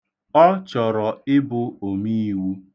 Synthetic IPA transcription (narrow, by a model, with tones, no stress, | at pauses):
ɔ˦t͡ʃɔ˨ɾɔ˨ɪ˦bʊ˦o˨mi˦i˦wu˦